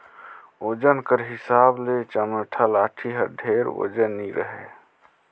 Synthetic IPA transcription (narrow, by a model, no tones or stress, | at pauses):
oːd͡ʒənkəɾɦɪsaːblet͡ʃəməʈʰalaːʈʰiɦəɾɖʱeɾo̰d͡ʒənːiɾʔəɦḛ